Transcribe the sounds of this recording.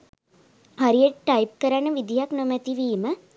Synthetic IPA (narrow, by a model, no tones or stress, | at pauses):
haɾijeʈʈajp̚kəɾanəʋid̪ijaknomɛt̪iʋiːmə